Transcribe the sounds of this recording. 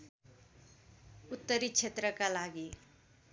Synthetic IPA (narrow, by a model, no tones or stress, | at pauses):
ut̪ːʌɾit͡sʰet̪rʌkalaɡi